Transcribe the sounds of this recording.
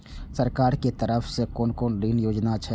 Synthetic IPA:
səɾkaːɾket̪əɾəfʰsekɔːnkoːnliːnjoːd͡ʒnat͡ʃʰɛ

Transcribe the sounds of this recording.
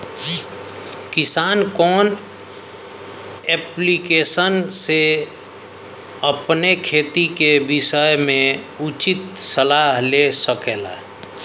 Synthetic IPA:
kɪsaːnkɔːn | eplikesənse | əpnekʰeːt̪ikebɪsəjmẽ | ut͡ʃit̪səlaɦlesəkeːla̰

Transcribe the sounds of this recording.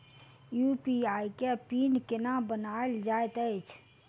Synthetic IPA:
juːpiaːikepiːnkenabənaeld͡ʒaːet̪əjt͡ʃʰ

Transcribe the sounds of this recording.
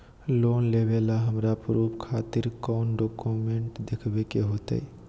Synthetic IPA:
loːnleʋeːlaɦəmɾapɾuːpkʰaːt̪ɪɾkɔːnɖoːkumẽɳʈd̪ɪkʰbekeɦoːt̪ḛi

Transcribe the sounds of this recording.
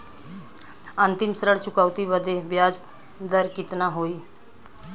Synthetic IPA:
ə̃nt̪ɪmsəɾəɽt͡ʃʊkaːʊt̪ibəd̪ebjaːd͡ʒ | d̪əɾkɪt̪naɦoːiː

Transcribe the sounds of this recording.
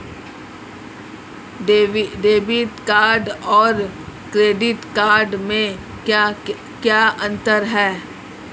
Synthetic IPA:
ɖeːbɪt̪kaːɾɖɔːɾkɾeːɖɪʈkaːɾɖmẽ | kjaːɐ̃nt̪əɾɦɛː

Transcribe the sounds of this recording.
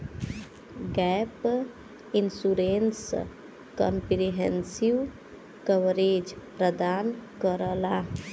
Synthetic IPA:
ɡɛp | insuɾens | kəmpɾiɦensiʋ | kəʋɾed͡ʒpɾəd̪ankəɾəla

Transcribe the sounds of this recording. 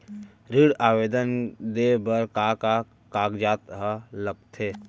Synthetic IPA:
ɾɪɽaːʋeːd̪ənd̪ebəɾkaka | kaːɡd͡ʒaːt̪ɦələb̚t̪ʰeː

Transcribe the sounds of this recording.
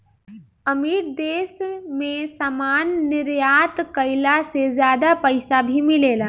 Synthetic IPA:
əmiːɾd̪eːsmẽsaːmaːnːɪɾjaːt̪kəɪlasezjaːd̪apɐɪsabʱimɪleːlaː

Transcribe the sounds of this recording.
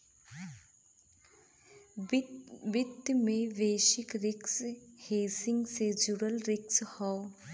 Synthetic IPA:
bɪd̪mẽʋeːʃɪkɾɪksheːsɪ̃ŋɡsed͡ʒʊɽəlɾɪkshɔː

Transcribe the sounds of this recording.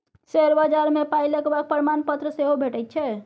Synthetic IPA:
seɾbəd͡ʒaɾmepajləkebak̚pəɾimanpət̪ɾəseɦobʱeʈəjt̪̚t͡ʃʰɛ

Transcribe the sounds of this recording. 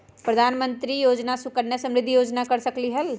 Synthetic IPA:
pɾəd̪ʱaːnmə̃nt̪ɾijoːd͡ʒnasʊkəɽnjəsə̃mɾɪd̪ʱːijoːd͡ʒnakəɾsəkliɦəl

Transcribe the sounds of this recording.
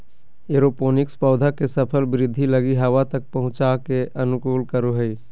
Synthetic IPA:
eɾopoːnɪkspɔːd̪ʱakesəpʰəlbɪɾɪd̪ʱːiləɡiɦɐʋat̪ək̚pɐɦʊ̃t͡ʃakeʔɐnʊkoːlkəɾoɦəi

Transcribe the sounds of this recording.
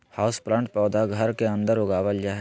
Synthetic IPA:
haːʊspɾãːɳʈ̚pɔːd̪aɡʱəɾkeə̃nd̪əɾoɡaːʋəld͡ʒaːɦɛ

